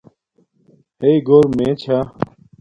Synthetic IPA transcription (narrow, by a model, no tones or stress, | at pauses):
heiɡoːɾmẽːt͡ɕʰaː